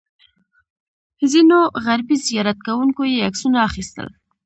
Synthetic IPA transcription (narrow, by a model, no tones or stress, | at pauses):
zinoɣaɾbizijɑɾat̪̚kawuŋkojeaksunaːχist̪ə̰l